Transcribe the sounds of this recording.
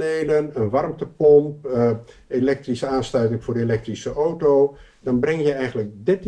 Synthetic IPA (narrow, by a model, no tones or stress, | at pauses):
nejlənənʋɑrmtəpɔmp | elɛk̚trisəaːnstœɥtɪŋv̥ʊːɹdəelɛk̚trisəʔowtow | dɑnbrɛŋjəɛjχənlək̚dɪt